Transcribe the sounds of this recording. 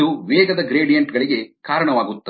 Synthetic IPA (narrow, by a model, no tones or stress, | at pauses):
uʋɛːɡɐd̪ɐɡɾeːɖijɐɳʈɡɐɭiɡe̞kaːɾɐɳɐʋaːɡut̪ːɐ